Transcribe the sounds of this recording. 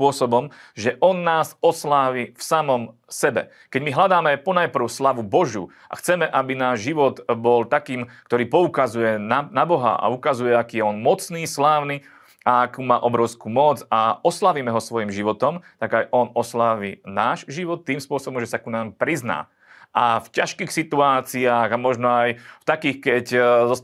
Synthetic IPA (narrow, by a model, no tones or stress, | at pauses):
pʊɔsɔbɔmʒɛʔɔnːaːzɔslaːʋifsamɔm | sɛbɛ̰ | kɛɟmiɦlad̪aːmɛpɔnajpr̩ʊslaʋubɔʒṵː | ʔa̰xt͡sɛmɛʔabinaːʒʒiʋɔd̪bɔlt̪akiːmkt̪ɔɾiːpɔukazujɛnanabɔɦa̰ʔa̰ukazujɛakiːjɛɔnmɔt͡sniːslaːʊniː | aakuːmaːʔɔbɾɔʊskuːmɔd͡zaɔslaʋimɛɦɔsʋɔjimʒiʋɔt̪ɔmt̪aɡajʔɔnɔslaːʋiːnaːʃʒiʋɔt̪ːiːmspʊɔsɔbɔmʒɛsakunaːmpɾizna̰ː | ʔafcaʃkiːxsit̪uaːt͡siaːɣamɔʒnɔajft̪akiːxkɛczɔ